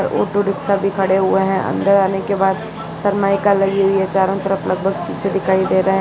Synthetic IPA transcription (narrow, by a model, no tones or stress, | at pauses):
ɾo̰ːʈoɾɪksabʱikʰɐɽeɦʊeɦɛ̃ʔɐ̰̃nd̪əɾaːnekebaːd̪ | sɐɾmaːjkalɐɡiɦʊiɦɛt͡ʃaːɾõt̪əɾəflɐɡ̚bʱəɡsised̪ɪkʰaːid̪eːɾɐɦeɦ